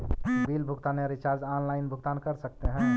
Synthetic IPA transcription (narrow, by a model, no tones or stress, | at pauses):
bilbʱʊɡt̪aːneɾit͡ʃaːɾd͡ʒanlaɪnbʱʊɡt̪aːnkəɾsək̚t̪eɦɛ̃